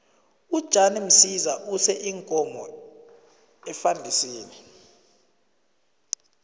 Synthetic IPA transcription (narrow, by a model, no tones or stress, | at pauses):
ud̥ʒ̥ʱanim̩sizaʔusɛʔiŋkʼɔmɔ | ɛfandʱisiːni